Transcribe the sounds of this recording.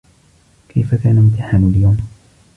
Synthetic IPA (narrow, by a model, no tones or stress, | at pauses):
kʰajfakaːnamʊt̪aħamaljaːm